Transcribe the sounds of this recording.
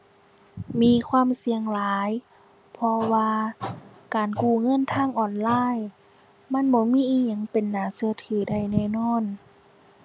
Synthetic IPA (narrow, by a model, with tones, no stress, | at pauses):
miː˧˥˨kʰwaː˧˥˨msi˧əŋlaː˨˦j | pʰɔ˧waː˧ | kaː˨˩nkuː˧˩ŋɤ˧˥˨nt̪ʰaː˧˥˨ŋʔɔː˧˩nlaː˧˥˨j | ma˧˥˨nbɔː˧˦miː˧˥˨ʔiː˧˩ɲa˧˩ŋpe˨nːaː˨˩˦sɯ˧ɐt̪ʰɯː˨˦da˧˩jnɛː˧˩˨nɔː˧˥˨n